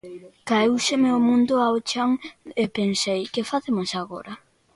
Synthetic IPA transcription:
kaewsemeomũnd̪ʊaot͡ʃaŋepensejkɪfaθemosaɣo̰ɾɐ

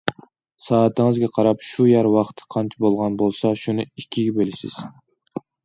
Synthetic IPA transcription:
sɑːt̪ʰɨŋɨzɡʲɛqʰɑɾɑpʃujæɾwɑχt̪ʰɨ̥qʰɑnt͡ʃʰibolˠʁɑnbolˠsɑʃunɨikʲʰːiɡʲɛbelɪsɪ̰z̥

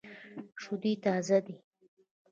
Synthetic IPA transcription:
ʂʊd̪it̪ɑzad̪i

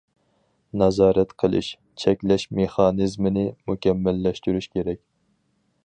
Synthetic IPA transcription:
nɑzɑːɾɛt̪qʰəlˠɨ̰ʃ | t͡ʃʰɛkʲlɛʃmeχɑːnɨzmɪnɪmukʲɛmːɛlːɛʃt̪yɾyʃkʲʰeɾɛkʲ

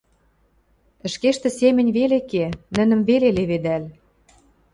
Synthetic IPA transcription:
ə̆ʃkeʃt̪ɘ̆semɘ̆nʲβelekenə̆nə̆mveleleβed̪æl

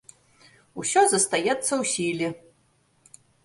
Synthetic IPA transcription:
usʲɔzɐst̪ajɛt̪sːɐwsʲilʲi

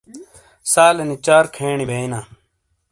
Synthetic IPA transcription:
saːlɐnit͡ʃaːɾkʰeːɳibʱeːinaː

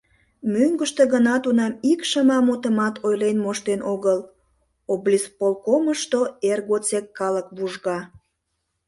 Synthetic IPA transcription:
myŋɡəʃt̪eɣənɑt̪unɑmikʃəmɑmut̪əmɑt̪ʰojlenmoʃt̪enʔoɣəl | oblʲispolkoməʃt̪oerɣot͡sekːɑləkβuʒɣɑ

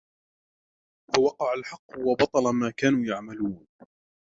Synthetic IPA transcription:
fawɑqɑʕalħɑqːʊwɑbɑt̪ˤɑlamaːkaːnuːjaʕmaluːn

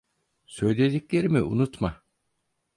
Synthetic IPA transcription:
sø̞jlʲe̞d̪iclʲe̞ɾimiṵnut̪ma

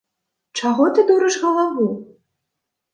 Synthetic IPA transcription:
t͡ʂaɣɔt̪ɨd̪uɾɨʂɣɐlˠavu

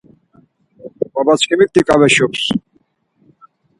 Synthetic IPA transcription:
pabat͡sʰkʰimik̚t̪ikʼavɛʃɔps

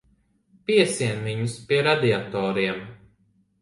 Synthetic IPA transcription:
piɛsiɛnviɲuspiɛɾad̪iat̪ɔːɾiɛm

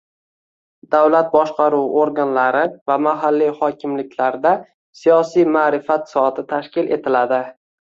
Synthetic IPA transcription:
d̪awlat̪̚bɒʃqʰɑɾuwoɾɡanlaɾɪvamaɦalːijhɒkʲʰɪmlɪkʲʰlaɾd̪a | sijɒsijmaːɾɪfat̪sɒt̪ʰɪt̪ʰaʃkʲɪle̞t̪ʰɪlad̪ɪ

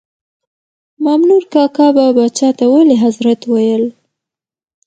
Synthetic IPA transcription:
mamnuɾkɑkɑbabɑt͡ʃɑt̪awaleɦazɾat̪wajəl

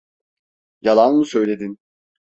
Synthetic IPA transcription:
jalˠanmusø̞jlʲe̞d̪in

